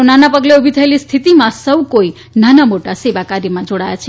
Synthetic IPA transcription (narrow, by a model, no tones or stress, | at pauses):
onanapəɡleubʱit̪ʰəelist̪ʰit̪imãsəwkoi | nanamoʈaseʋakaɾjimãd͡ʒoɽajat͡ʃʰe